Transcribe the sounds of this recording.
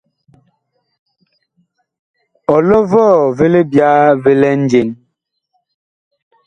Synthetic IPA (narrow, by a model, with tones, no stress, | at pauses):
ɔ˨lɔ˦vɔː˦˨ve˦le˦bja˦ve˦lɛ˦n̩˦d͡ʒe˨n